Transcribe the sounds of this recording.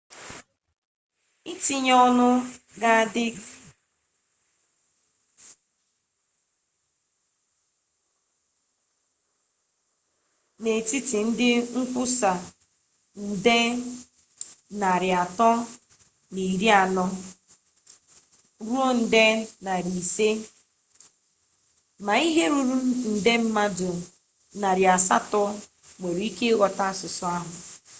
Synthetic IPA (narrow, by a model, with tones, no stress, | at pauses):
i˦ti˦ɲɔ˦nʊ˦ | ɡa˦˨dɪ˦ | ne˨ti˦ti˨n̩˦dɪ˦ŋ̩˦kʷʊ˦sa˨ | n̩˨de˦ | na˨ɾɪ˨a˨tɔ˦ | ni˨ɾi˦a˨nɔ˦ | ɾu˦o˦n̩˨de˦na˨ɾi˨se˦ | ma˨i˦ɦe˦ɾu˦ɾu˦n̩˨de˦m̩˦ma˦dʊ˨ | na˨ɾja˨sa̰˦tɔ˦ | ŋe˨ɾi˦ke˦ɣɔ˨ta˦˨sʊ˨sʊ˨a˦ɦʊ˨